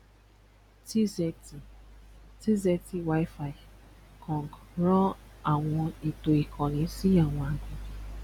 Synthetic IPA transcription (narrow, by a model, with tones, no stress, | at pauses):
ti˦z | ti˦ze˦ti˦wa˦ɪ˦fa˨ɪ˨ | kʰɔ˨ŋ˨ɡɾɔ̃˦a˨ŋʷɔ˧e˨to˨i˨kʰɔ˨ni˨˦si˦a˨ŋʷ˨a˨kʊ˦